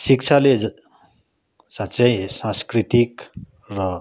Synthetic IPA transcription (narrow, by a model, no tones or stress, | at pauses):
sik̚t͡ʃʰale | satːt͡ʃʌjsãskɾit̪ik | ɾʌ